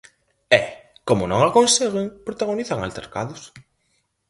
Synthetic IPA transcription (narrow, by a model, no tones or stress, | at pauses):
ɛkomʊnõ̰ŋakonseɣɪŋpɾot̪aɣoniθaŋa̰lt̪ḛɾkaðʊs